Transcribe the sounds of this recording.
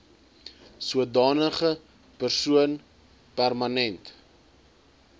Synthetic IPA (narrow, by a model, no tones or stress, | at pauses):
suədɑːnəχə | pərsuən | pærmɐnɛnt